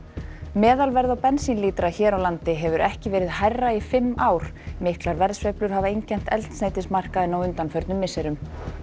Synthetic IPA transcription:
mɛːðalvɛɾðawpɛnsinliːt̪ɾaçɛːɾawlant̪ɪɦɛvʏɾʔɛhcɪvɛːɾɪðhajrːaifɪmːaːwɾ̥mɪhklaɾvɛɾsvejplʏɾ̥havaejɲcɛn̥t̪ɛlt̪sneːjt̪ɪnsmar̥kaðɛnːawʏnt̪anfœɾt̪nʏmːɪsɛɾʏm

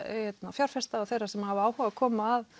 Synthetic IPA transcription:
hhɛt̪nafjaɾ̥fɛst̪aɔθejɾasɛmhavɪaːwhɔakʰɔːmaːð

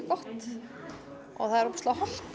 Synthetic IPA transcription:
kɔht̪ | ɔ̰ɣθaðɪɾʊpst̪awhɔm

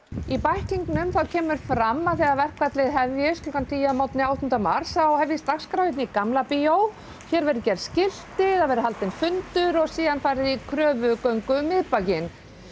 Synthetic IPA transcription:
ipajhciŋknʏmθawcʰɛːmʏɾ̥fɾamːaθɛːɣaðvɛr̥kʰvat̪lɪðɦɛvjɪsʏkant̪ʰiːjamawt̪nɪawt̪ʏnt̪amaɾ̥sawhɛvjɪst̪axskɾawvɪt̪nɪikamlapijow | çɛːɾvɛɾʏcɛɾscɪl̥t̪ɪðaðvɛɾɪɦalt̪ɪnfʏnt̪ʏɾɔɣsiːðanfaːjɾɪðikʰɾœːvʏkœɥŋkʏmɪðpacɪn

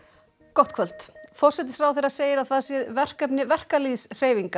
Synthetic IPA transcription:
kɔht̪kʰvœl̥t̪fɔr̥sɛt̪̬ɪsfɾawθejɾaðseːjɪɾawθaðsjɛðvɛr̥kɛpnɪvɛr̥kaliːðsr̥eːjviŋka

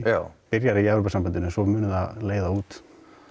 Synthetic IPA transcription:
japɪɾjaɾɪiɛvɾowpasambant̪ɪnsɔmʏːnʏðaðleːjðauːt̪

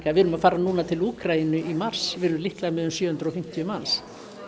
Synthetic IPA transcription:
kavɪɾnʏmafaːɾanuːnat̪ʰɪluːkɾainʏʔimar̥svɪɾʏlihklaðmɛðʏmsjœːhʏnt̪ɾɔfɪm̥t̪jʏmans

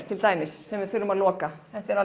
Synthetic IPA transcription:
t̪ʰːɪlt̪aːjmɪsːɛmvɪðθʏlːʏmaðlɔːkaθɛht̪ɛɾa

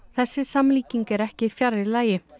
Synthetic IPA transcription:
θɛsːɪsamliːciŋkɛɾɛhcɪfjaɾðɪɾlaːjɪ

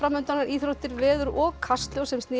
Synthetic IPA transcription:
ɾamːʏnt̪anːaɾiːθɾowht̪ɪɾvɛːðʏɾɔɣkʰast̪ljowsɛmst̪nɪː

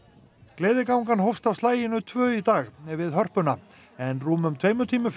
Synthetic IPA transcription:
klɛːðɪkawŋkanɦɔwfst̪awstlaːjɪnʏt̪ʰvœːɥit̪aːxɛɾvɪðɦœr̥pʏna | ɛnruːmʏmt̪ʰveːjmʏt̪ʰiːmʏ

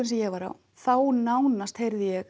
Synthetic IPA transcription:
ʏnsɛjɛɣvaɾa̰w | θawnaːwnast̪hejɾðijɛ

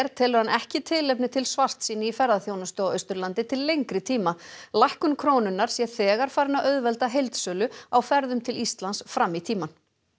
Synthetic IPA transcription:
ɾt̪ʰɛːlʏɾ̥hanɛhcɪt̪ʰɪlejp̚nɪt̪ʰɪlsvar̥t̪siːnɪifɛɾðaθjoːwnast̪aœɥst̪ʏɾlant̪ɪt̪ʰɪlːejŋkɾɪt̪ʰiːmalajhkʏmkʰɾoːwnʏnːaɾ̥sjɛθɛːɣaɾ̥faːɾɪnaʔœðvɛlt̪aɦejlt̪sœːlʏawfɛɾðʏmt̪ʰɪlist̪lansfɾamːit̪ʰiːman

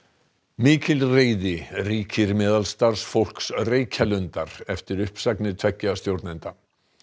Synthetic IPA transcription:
miːcɪlreːjðɪriːcʰɪɾmɛːðalst̪aɾ̥sfowl̥ksreːjcʰalʏnt̪aɾ̥ɛft̪ɪɾʏhpsaknɪɾt̪ʰvɛhcːast̪jowɾt̪najnt̪a

